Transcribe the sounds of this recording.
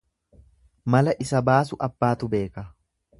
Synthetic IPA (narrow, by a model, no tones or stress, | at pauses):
mɐlɐʔɪsɐbaːsʊʔɐbːaːt̪ʊbe̞ːkɐ